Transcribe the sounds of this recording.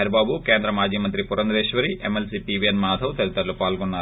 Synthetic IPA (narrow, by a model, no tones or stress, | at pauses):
ɐɾɐbaːbukeːnd̪ɾɐmaːd͡ʒiːmɐnt̪ɾipuɾɐnd̪ɐɾeːʃʋɐɾiʔemelsiːpiːʋienmaːd̪ʱɐʋt̪ɐɾit̪ɐɾlupaːlɡɔnːaː